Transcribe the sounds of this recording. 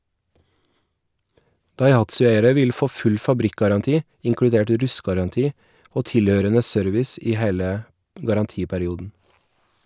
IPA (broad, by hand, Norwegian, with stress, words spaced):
dɑɪˈhɑtsʉˌeɪəɾə ˈʋɪl ˈfoː ˈfʉl fɑˈbɾɪkɡɑɾɑnˌtiː ɪŋkɽʉˈdeːʈ ˈɾʉstɡɑɾɑnˌtiː ˈoː ˈtɪˌløːɾənə ˈsœɾʋɪs ˈiː ˈheːlə ɡɑɾɑnˈtiːpæɾɪˌuːdn̩